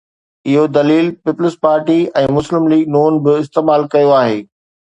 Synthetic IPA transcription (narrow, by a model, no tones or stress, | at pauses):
ɪɦod̪ɐliːlpɪpləspaːɾʈiɛ̃ːmʊslɪmliːɡ̚nuːnbɪɪst̪eːmaːlkɐjoaːɦeː